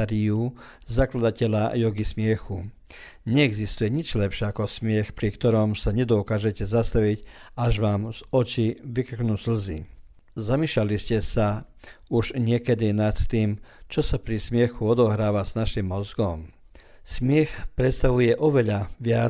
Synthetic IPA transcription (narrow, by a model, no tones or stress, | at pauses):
ɾiu | zaklad̪acɛʎajɔɡismɪɛxu | ɲɛɛɡzist̪ujɛɲid͡ʒlɛpʃɪɛakɔsmɪɛxpɾikt̪ɔɾɔmsaɲɛd̪ɔkaːʒɛcɛzast̪aʋicaʒʋaːmz̥ɔt͡ʃiʋikr̩knuːzl̩zi | zamiːʃlaliscɛsauʒɲɪɛkɛd̪inat̪ːiːmt͡ʃɔsapɾismɪɛxuɔd̪ɔɦɾaːʋaznaʃimːɔzɡɔm | smɪɛxpɾɛt̪st̪aʋujɛʔɔʋɛʎaʋɪa